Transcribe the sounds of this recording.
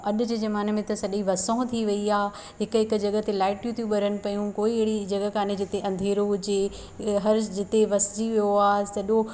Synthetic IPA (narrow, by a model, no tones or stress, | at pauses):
ɐɗʊd͡ʑeːzɐmaːnəmẽt̪ɐsɐɗĩʋɐsõʊ̃t̪ʰiʋɐiaː | ɦɪkɦɪk̆d͡ʑɐɡə̆t̪elaːɪʈjũt̪ʰijũɓɐɾənɪ̆pɐjũkoːiɪɽid͡ʑɐɡəkaːned͡ʑɪt̪eʔɐ̃nd̪ʱeːɾoɦʊd͡ʑe | ɦɐɾd͡ʑɪt̪eʋɐsɪd͡ʑiʋijoaːɦsɐɗo